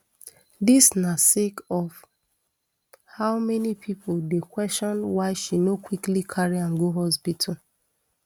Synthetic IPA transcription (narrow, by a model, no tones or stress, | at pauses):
disnasekɔf | haʊmɛnipʰipʰodekwɛstɔ̃nwaɪʃinokwiklikʰaɹiãnɡoɦɔspitʰu